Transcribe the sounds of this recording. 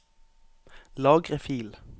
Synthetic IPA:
lɑːɡʁəfiːl

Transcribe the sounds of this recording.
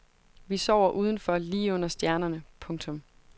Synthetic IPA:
ʋisɒʊ̰ɐʔuːð̞ˠn̩fɒ̽liːɔ̽n̰ɐsd̥jæɐnɐnəpʰɔ̽ŋt͡sʰɔ̽m

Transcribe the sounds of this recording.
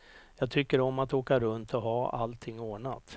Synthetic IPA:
jɑːɡt̪ʰʏkːəɾɔmat̪oːkaɾɵnt̪ʰɔɦɑːa̰lt̪ʰɪŋːoːɳa̰t̪

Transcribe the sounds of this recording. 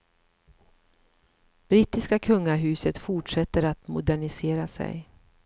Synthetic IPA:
b̥ɾɪt̪ːɪskakʰɵŋːaɦʉ̟ːsət̪fʊʈʂɛt̪ːəɾat̪mʊ̰d̪æɳɪseːɾasɛ̰j

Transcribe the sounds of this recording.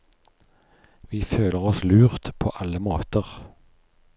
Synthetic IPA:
ʋiːføːləʁɔslʉːʁt̪pʰo̰ːʔɑləmoːt̪əʁ

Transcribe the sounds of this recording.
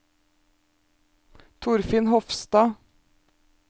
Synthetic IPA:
t̪ʰʊɾfɪnhɔfst̪ɑː

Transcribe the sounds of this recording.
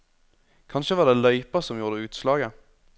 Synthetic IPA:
kʰɑnʃəʋɑːʁd̪eːlœʏpəsɔmjuːʁd̪əʉːt̪slɑːɡə

